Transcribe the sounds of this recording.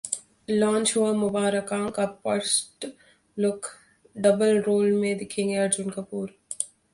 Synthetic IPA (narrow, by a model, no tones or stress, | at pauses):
lãːnt͡ʃɦuamʊbaːɾəkaːkapɐɾsʈ | lʊk | ɖɐbəlɾoːlmẽd̪ɪkʰẽŋɡeɐɾd͡ʒʊnkɐpuːɾ